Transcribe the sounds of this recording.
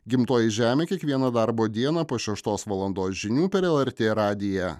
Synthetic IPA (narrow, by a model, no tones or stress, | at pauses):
ɡʲɪmt̪oːjɪʒʲæːmʲeːkʲiɛkʋʲiɛnɐd̪ɑɾboːd̪ʲiɛnɑpoːʃʲɛʃt̪oːsʋɐlˠɐnd̪oːsʒʲɪnʲuːpʲɛɾɛlˠɛɾʲt̪ʲeːɾɑːd̪ʲɪjɛ